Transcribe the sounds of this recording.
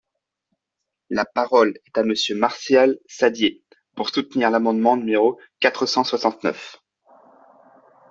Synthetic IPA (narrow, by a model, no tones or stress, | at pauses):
lapaʁɔlɛt̪aməsjømaʁsjalsad̪je | puʁsut̪niʁlamɑ̃d̪mɑ̃nymeʁo | kat̪χəsɑ̃swasɑ̃t̪nœf